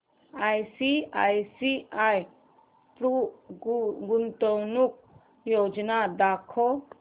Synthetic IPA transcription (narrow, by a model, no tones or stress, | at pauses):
ajsia̰jsiaj | pɾu | ɡunt̪ɔwnuk̚ | jod͡ʒnad̪akʰɔ